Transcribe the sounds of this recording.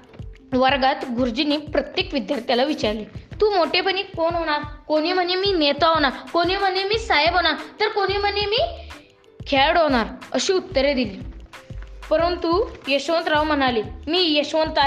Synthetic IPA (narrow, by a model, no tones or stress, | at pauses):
ʋəɾɡat̪ɡuɾd͡ʑiniːpɾət̪jekʋid̪jaɾt̪jalaʋit͡ɕaɾlit̪uːmoʈepəñiːkonɦoɽ̃aɾkoniːm̤ənːemiːnet̪aɦoɽ̃akoniːm̤ənːemiːsajəbɦoɽat̪əɾkoñiːm̤ənːemiː | kʰeɭɽɦoɽ̃aɾəɕiːut̪ːəɾed̪iliː | pəɾənt̪ujeɕʋənt̪ɾaʋmənaliːmiːjeɕʋənt̪a